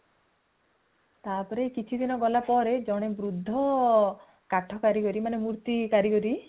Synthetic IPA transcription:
t̪apɔɾekit͡ʃʰid̪inɔɡɔlapɔɾed͡ʒɔɽ̃ebɾud̪ʱːɔ | kaʈʰɔkaɾikɔɾimanemuɾt̪ikaɾikɔɾi

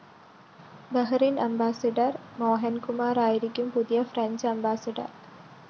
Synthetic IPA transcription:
bɐɦɐɾinʔɐmbaːsɐɖɐrmoːɦɐnkumaːɾaːjiɾikʲːumpud̪ijɐfɾɐɲd͡ʑɐmbaːsɐɖɐ̰r

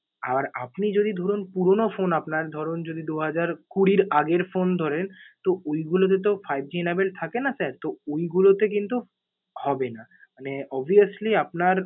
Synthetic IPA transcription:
a̰baɾa̰pnid͡ʑod̪id̪ʱɔɾunpuɾonofonapnaɾd̪ʱɔɾond͡ʑod̪ʱid̪uɦad͡ʑaɾkuɽiɾaɡeɾfond̪ʱɔɾent̪oojɡulot̪̬et̪̬ofajb̚d͡ʑinabelt̪ʰakenasaɾt̪oojɡulot̪ek̬int̪u | hɔbenamaneɔbʱiasliapnaɾ

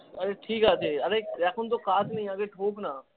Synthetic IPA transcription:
ɐɾeːʈʰiːkaːd͡ʒʰeːɐɾeːɾɛːkʰʊnt̪̬okaːd͡ʒnəĩəɡeːʈʰoːknaː

